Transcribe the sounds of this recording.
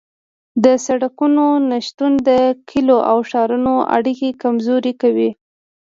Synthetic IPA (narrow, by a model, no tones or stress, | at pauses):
d̪əsaɽakunonaʃt̪und̪əkʰiloʔawʃɑɾunoʔa̰ɽikekamzoɾikawi